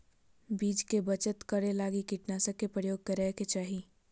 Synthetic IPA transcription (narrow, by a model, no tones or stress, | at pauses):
biːd͡ʒkebət͡ʃət̪kəɾelaːɡikɪʈnaːsəkːepɾəjoːɡ̚kəɾɛket͡ʃaːɦi